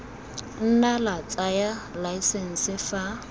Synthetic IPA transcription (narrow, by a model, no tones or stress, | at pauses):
n̩nalat͡sʼajalaisɛn̩sɪfa